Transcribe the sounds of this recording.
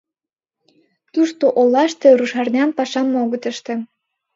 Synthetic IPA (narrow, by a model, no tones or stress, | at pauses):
t̪uʃt̪oʔolːɑʃt̪ĕɾuʃɑrnʲɑnpɑʃɑmːoɣɤ̆t̪ə̆ʃt̪ĕ